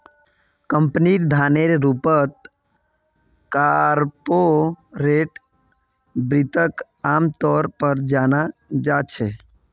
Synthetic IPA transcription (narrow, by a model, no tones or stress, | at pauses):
kə̃mpniɾd̪ʱaːneɾeɾupət̪̚ | kaɾpoɾeʈ | bɾɪt̪ək | aːmt̪ɔːɾpəɾd͡ʒaːnad͡ʒat͡ʃʰe